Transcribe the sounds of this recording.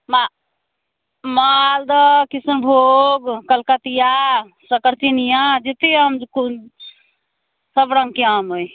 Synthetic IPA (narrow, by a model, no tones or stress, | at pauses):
ma | məald̪əkisunbʱoɡkəlkət̪ija | səkəɾt͡ʃinijad͡ʒet̪eəmku | səbɾə̃ŋɡ̚keamoj